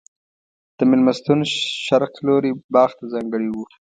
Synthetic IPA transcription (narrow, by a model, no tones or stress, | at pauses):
d̪̥əmɪlmast̪unʃaɾqloɾibɑːxt̪azɑːŋɡəɽiwu